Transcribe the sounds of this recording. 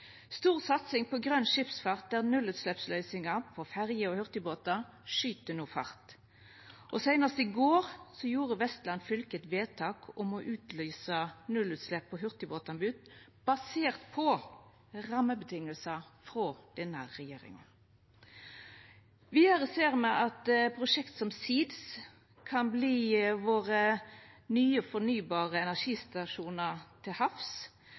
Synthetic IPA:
st̪uːʁsɑt̪sɪŋpɔɡʁœnʂɪpsfɑʁt̪̚d̪æʁnʉlʉːt̪slɛpslœʏsɪŋɑpʰɔfæʁjəɔhʉʁt̪ɪboːt̪ɑ | ʂyːt̪ənuːfɑ̰ʁt̪ | ʔɔsæɪnəst̪ɪɡoːʁsɔjuːʁəʋɛst̪lɑnfʏlkət̪ʋeːt̪ʰɑːkʰɔmɔʔʉːt̪lyːsənʉlʉːt̪slɛpʰːɔɦʉʁt̪ɪboːt̪ɑnbʉːt̪̚b̥ɑseːʁt̪pʰɔ | ʁɑməbət̪ʰɪŋːəlsəfʁoːd̪̥ɛnːə̰ʁɛjeːɾɪ̰ŋə̰n | ʋɪɑʁəseːʁmɛʔɑt̪pʰɾʊʂɛkt̪sɔmsiːd̪s | kʰɑnbliːʋoːʁənyːəfɔnyːbɑːʁəɛnæʂiːst̪ɑʂuːnəʁt̪ʰɪlhɑfs

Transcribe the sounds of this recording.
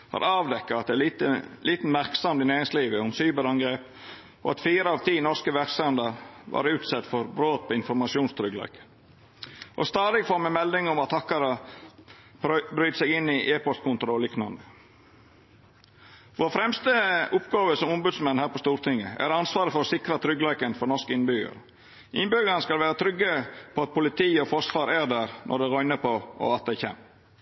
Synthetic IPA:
hɑ̰ːɾɑːʋd̪ɛkːəɑt̪̚d̪ɛt̪əlʔiːt̪n̩mæɾksɑmt̪ɪnæːɾɪŋsliːʋəʊmsyːbəɾɑŋɡɾeːp | ʔo̰ɑt̪fiːɾəɑʋt̪ʰiːnɔɾskəʋæɾksɛnd̪əɾʋɑ̰ːɾʉːt̪sɛt̪ːfɔɾbɾoːt̪̚pʰɔɪnfɔɾmɑsɪuːnst̪ʰɾʏɡlɑ̰ɪkə̥ | ʔɔ̰st̪ɑːd̪ɪɡfɔɾmɛmɛld̪ɪŋʊmɑt̪ʰɑkːɑɾə | bɾyːt̪sɛɡɪnːɪʔeːpɔst̪̚kʰʊnt̪ʊɾɔliːknɑnd̪ə | ʋoːɾfɾɛmst̪əʊpɡɑːʋəsɔmʊmbʉd̪smɛnhæːɾpɔst̪uːɾt̪ʰɪŋəæ̰ɾɑnsʋɑːɾəfɔɾɔsɪkɾɑt̪ʰɾʏɡlæɪkənfɔɾnɔʂkəɪnbʏɡə̰ɾ | ʔɪnbʏɡɑɾnəskɑlʋæːɾət̪ʰɾʏɡːəpʰɔɑt̪̚pʰʊlɪt̪ʰiːɔfɔʂʋɑːɾæːɾd̪æːɾnʔɔ̰ɖ̪ɛʁœʏnəpʰɔʔɔ̰ɑt̪̚d̪æɪçḛːm

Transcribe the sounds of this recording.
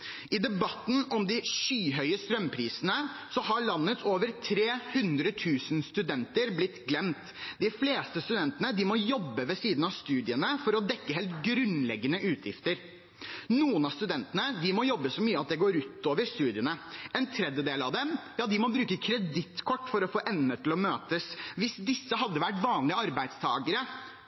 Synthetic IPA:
ɪd̪ɛbɑt̪ːn̩ɔmd̪ɪʃyːɦœʏəst̪ɾœmpʰɾiːsənəsɔɦɑɭɑnːət̪ʰoːʋəɾt̪ʰɾeːhʉnd̪ɾət̪ʰʉːsənst̪ʉd̪ɛnt̪əɾblɪt̪ːɡlɛmt̪ | d̪ɪfleːst̪əst̪ʉd̪ɛnt̪ənəd̪ɪmɔjɔbːəʋɛsiːd̪n̩ɑʋst̪ʉːd̪ɪənəfɔɾɔd̪ɛkːəɦɛːlt̪ɡɾʉnlɛɡːənəʔʉːt̪ʰjɪ̰ft̪əɾ | nuːənɑst̪ʉd̪ɛnt̪ənəd̪ɪmɔjɔbːəsɔmyːəɑt̪̚d̪ɛɡoːɾʉːt̪oːʋəɾst̪ʉːd̪ɪənəɛnt̪ʰɾɛd̪jəd̪eːlɑʋd̪ɛmjɑːd̪ɪmɔbɾʉːkəkʰɾɛd̪ɪt̪ːkʰɔʈːfɔɾɔfoːʔɛnːət̪ʰɪlɔmøːt̪əsʋɪsd̪ɪsːəɦɑd̪ːəʋæʈʋɑːnlɪəɑɾbæɪd̪st̪ʰɑːɡəɾə

